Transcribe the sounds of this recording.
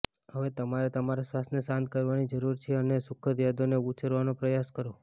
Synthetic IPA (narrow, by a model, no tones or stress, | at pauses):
həʋet̪əmaɾet̪əmaɾasʋasnesãnt̪̚kəɾʋanid͡ʒəɾuɾt͡ʃʰeənesʊkʰət̪jad̪oneut͡ʃʰəɾʋanopɾəjaskəɾo